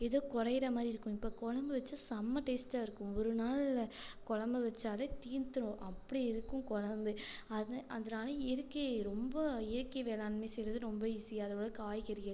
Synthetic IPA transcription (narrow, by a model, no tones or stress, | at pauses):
ɛðoːkʊɾɐjɪɾɐmaːd̪ɾiɪɾɯkːʊ̃ɪpːoːkɔɻɐmbɐʋɐt͡ʃːɐsɐmːɐʈeːsʈaɪɾɯkːʊ̃ɔɾɯnaːlkɔɻɐmbɐʋɐt͡ʃːaːlɐt̪iːnt̪ɯɾʊ̃ʔɐpːɐɽiɪɾɯkːʊ̃kɔɻɐmd̪ɯɐðʔɐðɐnaːlɐɪɾɯkːeɾɔmbɐɪɾɯkːɐʋeːlaːnmeːsɛjɾɐðɯɾɔmbɐɪsɪjɐɐðɐoːɽɐkaːjkɐɾɪjɐ